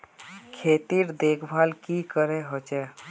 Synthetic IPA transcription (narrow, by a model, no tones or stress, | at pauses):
kʰeːt̪iɾd̪eːkʰbʱalkikəɾɛɦot͡ʃɛ